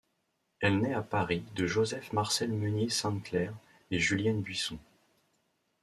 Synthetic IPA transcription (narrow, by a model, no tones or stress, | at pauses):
ɛlnɛapaʁid̪əʒozɛfmaʁsɛlmənjesɛ̃klɛʁ | eʒyljɛnbɥisɔ̃